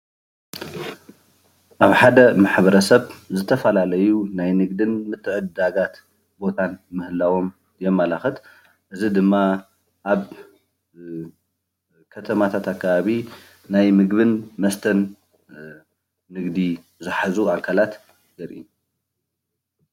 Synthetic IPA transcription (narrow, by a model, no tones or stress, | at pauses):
ʔaβħad̪ɐmaħβɐɾɐsɐβzɨt̪ʰɐfɐlalɐjunajnɨɡd̪ɨnmɨt̪ʰːɨʕɨd̪aɡat̪ | bo̞t̪ʰanmɨhɨlawo̞m | jɛmːalaxɨt̪ | ʔɨzid̪ɨmːa | ʔaβ | kʰɐt̪ʰɐmat̪ʰat̪akʰːaβaβi | najmɨɡβɨnmɐst̪ʰɐn | ɨɡd̪i | zɨħazuʔakʰalat̪ | ɡɐɾʔḭ